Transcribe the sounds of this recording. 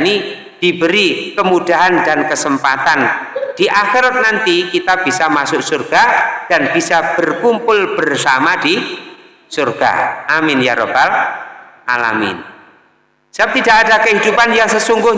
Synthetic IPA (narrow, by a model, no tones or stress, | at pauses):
ni | d̥ibəɾikəmud̥aɦandankəsəmpat̪and̥iʔaxiɾat̪̚nant̪ikit̪ab̥isamasʊʔsurɡ̥ad̥anb̥isab̥ərkumpʊlb̥ərsamadi | surɡ̥a̰ʔamɪnjaɾob̥al | ʔala̰mɪ̰n | sap̚t̪idaʔadakəɦidupanjaŋsəsuŋɡʊh